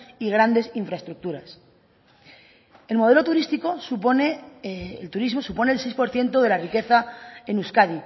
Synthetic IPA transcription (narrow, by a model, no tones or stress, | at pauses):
iɣ̞ɾand̪e̞siɱfɾaest̪ɾuk̚t̪uɾas | e̞lmo̞ð̞e̞lot̪uɾist̪iko̞supone | lt̪uɾizmo̞supo̞ne̞ːlsejspoɾθje̞nt̪oð̞e̞larike̞θae̞nuskaði